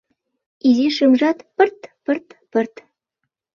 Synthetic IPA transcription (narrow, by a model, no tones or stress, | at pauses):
iziʃɯmʒɑt̪pɘ̆rt̪pɘ̆rt̪pɘ̆rt̪